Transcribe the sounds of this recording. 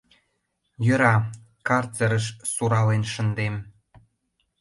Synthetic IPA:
jø̆ɾɑ | kɑrt͡səɾəʃsuɾɑlenʃə̆nd̪em

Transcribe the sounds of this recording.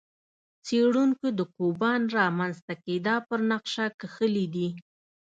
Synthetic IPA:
t͡seɽuŋkod̪əkobɑnɾɑmanzt̪aked̪ɑpəɾnaqʃakəxəlid̪i

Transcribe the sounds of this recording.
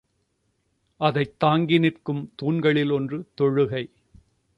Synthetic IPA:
ʔɐðɐɪt̪ːaːŋɡɪnɪrkɯmt̪uːnɡɐɭɪlɔndrɯt̪ɔɻɯɣɐɪ

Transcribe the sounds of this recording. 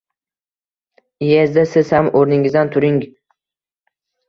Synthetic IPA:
jezd̪asɪz̥hamʔoɾnɪŋɪzd̪ant̪ʰʊɾɪŋ

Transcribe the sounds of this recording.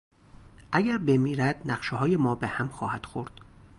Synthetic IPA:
ʔæɡæɾbe̞miːɾæd̪̥næɢʃeɦɒːjemɒːbehæmxɒːhæd̪̥xoɾd̪̥

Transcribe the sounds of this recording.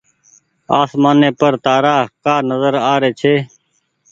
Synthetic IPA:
aːsmaːneːpəɾt̪aːɾaːkaːnəzəɾaːɾeːt͡ʃʰeː

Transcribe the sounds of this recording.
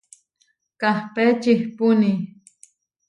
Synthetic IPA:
kahpet͡ʃihpuni

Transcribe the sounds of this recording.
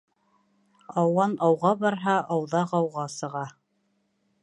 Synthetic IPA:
ɑwɑnɑwʁɑbɑɾɦɑʔɑwðɑʁɑwʁɑsɤ̆ʁɑ

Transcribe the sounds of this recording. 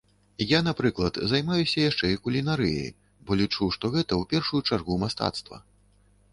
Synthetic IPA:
ijanapɾɨklˠɐt̪zajmajusʲɐjaʂt͡ʂɛikulʲinaɾɨ̰jɐ̰j | bɔlʲit͡ʂuʂt̪ɔɣɛt̪ɐwpʲɛrʂujut͡ʂarɣumast̪a̰t̪st̪vɐ̰

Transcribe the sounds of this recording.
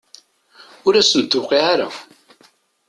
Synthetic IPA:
ʊɾæsənt̪ːʊqiʕaɾæw

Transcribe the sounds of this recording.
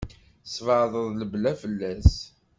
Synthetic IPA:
svəʕðˤəðˤləblæfəlːæs

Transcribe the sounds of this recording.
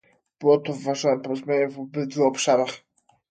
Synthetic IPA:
b̥ɘwɔt̪ɔvːaʐɔnɛmpɔɾɔzmʲaɲɛvɔbɘd̪vuɔpʂaɾax

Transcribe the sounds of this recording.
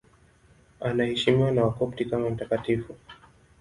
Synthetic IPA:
anahɛʃimiwanawakɔp̚tikamam̩takatifu

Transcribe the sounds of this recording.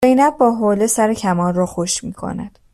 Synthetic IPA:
ze̞jnæbːɒːɦoːlesæɾecʰæmɒːnrɒːxoʃmiːkʰo̞̰næ̰d̪̥

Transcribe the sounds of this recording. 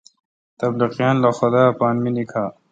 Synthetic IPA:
t̪ɐbliqijaːnlɐxod̪aːpaːnminikʰaː

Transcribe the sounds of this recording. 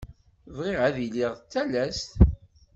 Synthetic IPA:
vʁiʁæðiliʁt͡sːælæst̪

